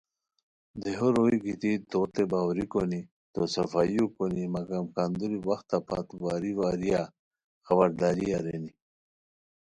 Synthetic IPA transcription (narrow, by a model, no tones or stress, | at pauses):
d̪eɦoɾoiɡit̪it̪ot̪ebaːwɾikoni | t̪osɐfaːjukonimɐɡamkand̪uɾiwɐxt̪apʰa̰t̪uwaːɾiwaːɾija | xɐbɐɾd̪aːɾiaɾeni